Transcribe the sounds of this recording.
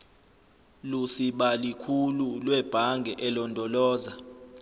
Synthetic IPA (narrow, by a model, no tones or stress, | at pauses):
lusiɓalikʰululwɛb̥ʱaŋɡʱɛʔɛlɔndʱɔlɔːza